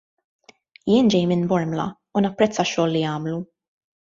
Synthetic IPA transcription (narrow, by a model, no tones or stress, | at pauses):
jɪːnd͡ʒɛjmɪnbɔɾmlɐ̰ | unɐpːɾɛt͡sːɐʃːɔːlːijɐːmlu